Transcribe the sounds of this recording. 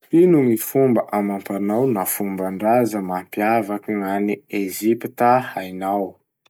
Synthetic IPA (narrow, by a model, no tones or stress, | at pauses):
inuŋifumbəʔamampanawnafumbaɳɖ͡ʐazəmampiavakiŋaniezipit̪ahajnaw